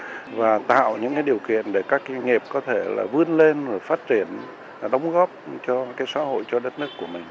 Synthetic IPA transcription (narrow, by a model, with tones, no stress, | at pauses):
vaː˨˩t̪a̰ː˧˨wɲɨ̰˧˥ŋkaː˨˦jɗi˨˩əwkḭ˧˨ənɗe˧˩kaː˦˥k̚ːŋi˨˩p̚kɔ˨˦t̪ʰe˧˩la̰ː˨˩vɨ˧ənle˧n˧˨˩faː˦˥t̚t͡ɕi˧˩ən | ɗə˨˦wŋ͡mɣɔ˦˥p̚t͡ɕɔ˧kaː˨˦jsa̰ː˧˥ho̰˧˨jt͡ɕɔ˧ɗə˦˥t̚nɨ˦˥əkːu˧˩əmï˨˩ŋ̟